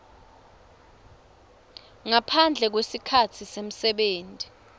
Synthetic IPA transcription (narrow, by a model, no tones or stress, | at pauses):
ŋapʰand͡ɮʱɛk̬wesikʰatʰisem̩sɛɓeːntʼi̥